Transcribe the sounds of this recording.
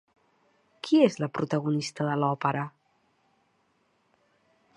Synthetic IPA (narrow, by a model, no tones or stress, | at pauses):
kʰiezləpɾut̪əɣunist̪əðəlɔpəɾə